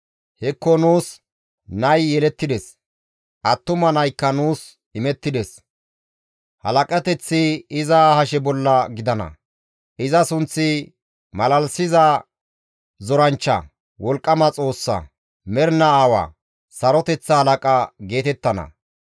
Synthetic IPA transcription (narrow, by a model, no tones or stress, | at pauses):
hɛkːɔnuːs | nɐjːɛlɛt̪ːɪd̪ɛs | ʔɐt̪ːʊmɐnɐjkːɐnuːs | ɪmɛt̪ːɪd̪ɛs | hɐ̰lɐkʼɐt̪ɛt͡sːɪɪzɐhɐʃɛbɔlːɐɡɪd̪ɐnɐ̰ | ʔɪzɐsʊnt͡sːɪ | mɐlɐlsɪzɐ | zɔɾɐnt͡ʃːɐ̰ | wɔlkʼːɐmɐt͡sʼo̞ːsːɐ̰ | mɛɾnɐaːwa̰ː | sɐɾɔt̪ɛt͡sːɐhɐlɐkʼɐɡe̞ːt̪ɛt̪ːɐnɐ̰